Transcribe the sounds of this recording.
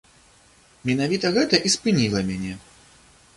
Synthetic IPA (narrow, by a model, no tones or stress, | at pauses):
mʲɛnavʲit̪ɐɣɛt̪ɐʔispɨnʲilˠɐmʲanʲɛ